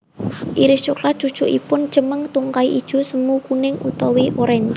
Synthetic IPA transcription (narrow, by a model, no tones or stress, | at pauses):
ʔiɾɪʃuklḁʒ̥ud̥ʒ̥ṳʔḭpʊn̥d͡ʒ̥əməŋt̪uŋkaiʔid̥ʒ̥ṳsəmukunɪŋut̪ɔwiʔoɾɛn